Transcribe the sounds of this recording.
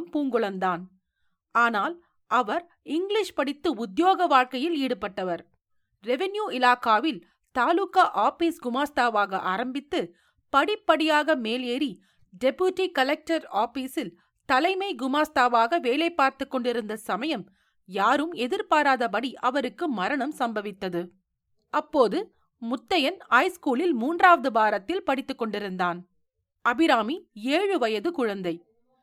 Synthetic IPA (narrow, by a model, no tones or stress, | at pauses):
mpuːŋɡɯɭɐnd̪aːn | aːnaːl | ʔɐʋɐɾ | ɪŋɡɭɪʂpɐɽɪt̪ːɯʊd̪joːɣɐʋaːɻkɐjɪliːɽɯpːɐʈːɐʋɐɾ | ɾɛʋɛnjuːɪlaːkaːʋɪl | t̪aːluːkaʔaːfiːsɡʊmaːst̪aːʋaːɣɐʔaːɾɐmbɪt̪ːɯ | pɐɽɪpːɐɽɪjaːɣɐmeːleːɾi | ɖɛpjuʈːikɐlɛk̚ʈɐɾaːfiːsɪl | t̪ɐlɐɪmɐɪɡʊmaːst̪aːʋaːɣɐʋeːlɐɪpːaːɾt̪ɯkːɔɳɖɪɾɯnd̪ɐsɐmɐjɐm | jaːɾɯmɛðɪɾpaːɾaːðɐpɐɽiʔɐʋɐɾɯkːɯmɐɾɐɳɐmsɐmbɐʋɪt̪ːɐðɯ | ɐpːoːðɯ | mʊt̪ːɐjɐnɐɪskuːlɪlmuːndraːʋɐðɯbaːɾɐt̪ːɪlpɐɽɪt̪ːɯkːɔɳɖɪɾɯnd̪aːn | ʔɐbɪɾaːmieːɻɯʋɐjɐðɯkʊɻɐnd̪ɐɪ